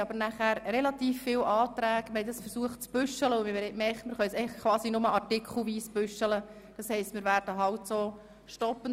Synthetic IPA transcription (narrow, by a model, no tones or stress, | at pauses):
ɑbəɾnæχæːɾrɛlɑt̪iːfːɪːlʔɑːtɾæːɡməɾhɛɪdɑsfəɾsuəχtt͡sb̥ʏʃələʊmɪʋɛɾɛtmɛχmɪɾχœt͡sɛɪəχkʰʋɑːsinʊməʔɑrtɪkχl̩ʋiːsb̥ʉʃələ | d̥ɑshɛɪstmɪːɾʋæːɾd̥əɦɑltsoː | ʃtɔpːən